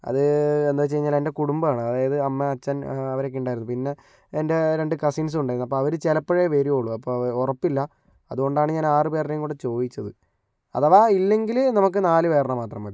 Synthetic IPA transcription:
ɐ̰ðɨend̪oːt͡ɕe̞jiɲːaːle̞nde̞kuɽumbɐaːɳɨɐðaːjɐðɨɐmːeɐt͡ɕːɐnɐʋɐɾek̬ːiuɳɖaːjɾunːupinːe̞ː | nde̞ɾe̞ɳɖɨkɐsiːns̬uɳɖajiɾunːɐpːoːɐʋɐɾut͡ɕelɐpːɐɻejʋeɾioːɭuɐpːoːrɐpːilːɐ | ɐðuɣo̞ɳɖaːɳɨɲaːnaːrɨpeːrɾejuŋkuːɽet͡ɕo̞ːd̪it͡ɕːɐðɨ | ɐ̰ðɐʋaːilːe̞ŋɡilnɐmuk̬ːɨnaːlɨʋe̞ːrɳɐmaːt̪rɐmʋɐði

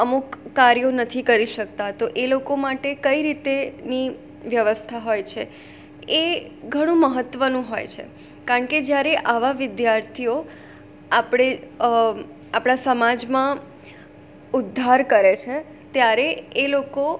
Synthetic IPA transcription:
əmukːaɾjonət̪ʰikəɾiʃək̚t̪at̪oʔelokomaʈekəiɾit̪eni | ʋjəʋəst̪ʰaɦojt͡ʃʰe | e | ɡʱəɽ̃ũməɦət̪ːʋənũɦojt͡ʃʰḛ | kaɾəɳked͡ʒjaɾeʔaʋaʋɪd̪jaɾt̪ʰio | apɽ̃e | apɽ̃asəmad͡ʒmã | ʊd̪ʱːaɾkəɾet͡ʃʰe | t̪jaɾeeloko

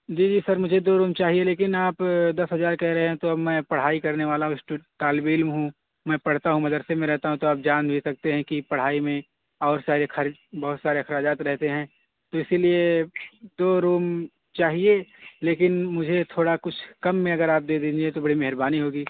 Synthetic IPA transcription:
d͡ʒiːd͡ʒiːsɐɾmʊd͡ʒʱed̪oːɾuːmt͡ʃaːɦieleːkɪnaːpd̪ɐsɦɐzaːɾkɛɦɾɐɦeɦɛ̃t̪oɐbmɛ̃ːpɐɽ̤aːikɐɾneʋaːlaɦũsʈʈaːlbɪlmɦũ | mɛ̃pɐɽ̤t̪aɦũmɛ̃d̪ɐɾsemẽɾɛɦt̪aɦũt̪oaːp̚d͡ʒaːnbʱisɐk̚t̪eɦɛ̃kipɐɽ̤aːimẽ | ɔːɾsaːɾexɐɾd͡ʒbɐɦʊt̪saːɾexɐɾaːd͡ʒaːt̪ɾɛɦt̪eɦɛ̃ | t̪oɪsilie | d̪oːɾuːm | t͡ʃaːɦieleːkɪnmʊd͡ʒʱet̪ʰoːɽakʊt͡ʃʰkɐmːẽɐɡəɾaːp̚d̪eːd̪iːd͡ʒiet̪obɐɽimɛɦɾbaːniɦoːɡiː

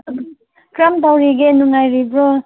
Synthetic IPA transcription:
kɾamt̪awɾiɡenuŋajɾibɾɔ

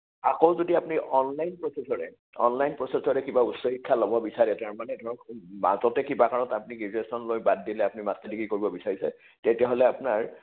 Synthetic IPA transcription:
akowzodiapʊniʔɔnlajnpɹɔsesɔɹɛ̰ | ɔ̰nlajnpɹɔsesɔɹɛkibausɔɦikʰːalɔbɔbisaɹɛtaɹmanɛdʱɔɹɔkma̰zɔtɛkibakaɹɔtapuniɡizɹesɔnlojbadːilɛapunimasedikikoɹibɔbisaɹisɛ̰ | tetɛɦolɛapʊnaɹ

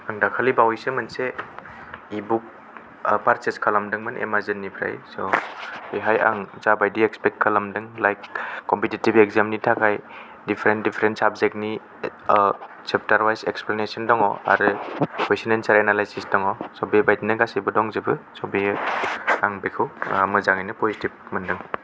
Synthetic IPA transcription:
aŋdakʰalibawisɯmɯnse | ibuk̚ | paɾt͡ʃeskʰalamdɯŋmɯnʔḛmazɯnːipʰɾa̰jsɔiɦaja̰ŋzabajdiekspɛk̚kʰːalamdɯŋlajkːɔmpititibekzamnitʰakʰaj | dipʰɾentdipʰɾentsabzek̚ni | sep̚taɾwajsḛksplanesɔndɔŋɔ̰a̰ɾɯkwesinensaɾenalajsisdɔŋɔsɔbibajtinɯɡasijbɯdɔŋzɯbɯsɔbi | aŋbekʰɯwmɯzaŋajnɯpozitib̚mɯndɯŋ

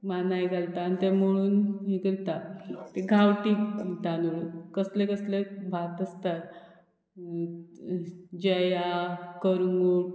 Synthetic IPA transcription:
manajɡʱalt̪anit̪em̤əɽ̃uːnɦikəɾt̪at̪eɡʱawʈid̪anuɭkəslekəslebʱat̪əst̪at̪ | d͡ʑəjakəɾŋɡuːɽ

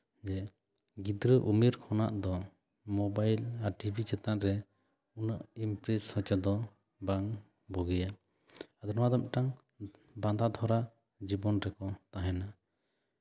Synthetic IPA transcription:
d͡ʒɛ | ɡid̪ɾəʔumiɾkʰɔnaʔd̪ɔ | mɔbajlaɾʈibʱit͡ʃɛt̪aʔɾɛ | unəʔimpɾɛshət͡ʃad̪ɔ | baŋ | bɔɡija | ad̪ɔnɔwad̪ɔmʈaŋ | bad̪ad̪ʱɔɾa | d͡ʒibɔnɾɛkɔt̪aɦɛna

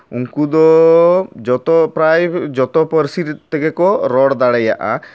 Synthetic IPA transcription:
uŋkud̪ɔ | d͡ʒɔt̪ɔpɾajbd͡ʒɔt̪ɔpəɾsiɾt̪ɛkɛkɔɾɔɽd̪aɽaja̰ʔa̰

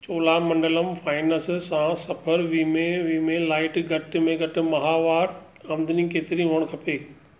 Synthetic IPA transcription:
t͡ɕoːlamɐ̃ɳɖələmfaːɪnəssãsɐpʰəɾʋiːmẽʋiːmẽlaːɪʈɡʱɐʈ̆mẽɡʱɐʈɪ̆mɐɦaːʋaːɾ | ɐ̃ːmd̪nĩkeːt̪ɪɾĩɦuəɽ̃kʰɐpeː

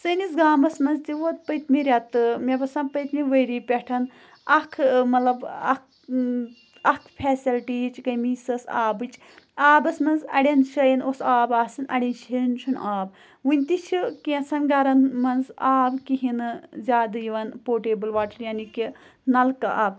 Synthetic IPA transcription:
sɨnisɡaːmɐsmɐnzt̪iʋot̪̚pɐt̪miɾʲɐt̪ɨmʲebɐsãːnpəjt̪miʋəjɾiːpʲɛʈʰɐn | ɐkʰmɐt̪lɐbɐ̰k | ɐkʰpʰʲɛːsilʈiːt͡ʃʰkɐmiːsɐsa̰ːbɨt͡ʃʰ | aːbɐsmɐnzɐ̰ɽʲɐnʃɐjinosaːbaːsinʔɐ̰ɽʲɐnʃent͡ʃʰunʔaːb | ʋunʲt̪it͡ʃʰikesɐnɡɐɾɐnmɐnzaːbkiɦinɨzʲaːd̪ɐjiʋɐnpoːʈeːbɨlʋaːʈɐɾjaːniki | nɐlkɨaːb

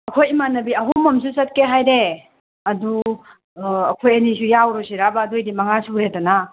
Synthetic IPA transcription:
ɐkʰojimanɐbiɐɦumɐmsusɐt̚keɦajɾe | ɐdu | ɐkʰojɐnisujawɾusiɾabɐːdojdimɐŋasuhetɐna

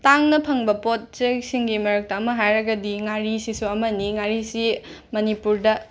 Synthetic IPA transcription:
taŋnɐpʰɐŋbɐpot̚sek̚siŋɡimɐɾɐk̚tɐːmɐɦajɾɐɡɐdiŋaɾisisuɐmɐniŋaɾisi | mɐnipuɾdɐ

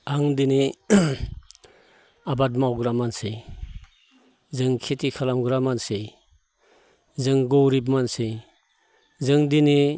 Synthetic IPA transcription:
aŋdine | abatmawɡɾamansej | zɯŋkʰetikʰalamɡɾamansej | zɯŋɡowɾibmansej | zɯŋdini

